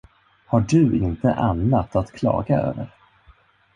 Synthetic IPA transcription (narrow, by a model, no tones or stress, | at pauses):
haɖɵʔɪnt̪əʔanːat̪ʰat̪kʰlɑ̰ːɡaø̰ːvəɾ